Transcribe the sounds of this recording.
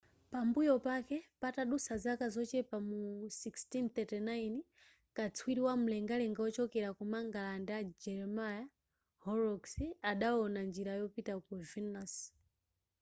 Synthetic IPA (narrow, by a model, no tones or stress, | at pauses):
pambujɔpakɛpataɗusazakazɔt͡ʃɛpamusikstinθɛtɛnain | kat͡sʰwiɾiwam̩lɛŋɡalɛŋɡaɔt͡ʃɔkɛɾakumaŋɡalandad͡ʒɛɾɛmaja | hɔɾɔksiaɗaɔnand͡ʒiɾajɔpitakɔvinas